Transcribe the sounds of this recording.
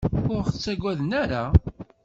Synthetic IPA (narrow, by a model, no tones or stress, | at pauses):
ʊɾθət͡sːæɡʷæðnæɾa